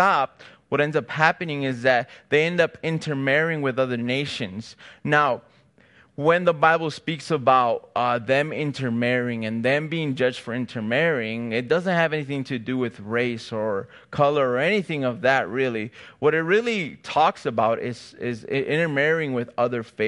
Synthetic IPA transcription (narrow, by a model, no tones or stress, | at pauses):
ɑp̚wʌɾɛ̃ndzʌphæpɨnɪ̃ŋɪzðɨt̪̚ðeɪɛ̃ndʌpɪ̃ntʰə˞mɛɹɪ̃ŋwɨðʌðə˞neɪʃɨ̃nz̥naʊ | wɨ̃nðəbaɪbl̩ˠspiksəbaʊt̚ʌðɨ̃mɪ̃ntʰə˞mɛɹɪ̃ŋɨ̃nðɨ̃mbiɪ̃ŋd͡ʒʌd͡ʒd̥fə˞ɪ̃ntʰə˞mɛɹɪ̃ŋɪt̚d̥ʌzɨ̃nt̚hɨvɛniθɪ̃ŋtʰɨdɨwɪðɹeɪsə˞ | kʰʌlˠə˞ə˞ɛniθɪ̃ŋʌvðɨt̚ɹɪlˠiwʌɾɨt̚ɹɪlˠitʰɔksəbaʊɾɪ̰z̥ɪzɪɪ̰̃ɾ̃ə˞mɛɹɪ̃ŋwɨðʌðə˞feɪ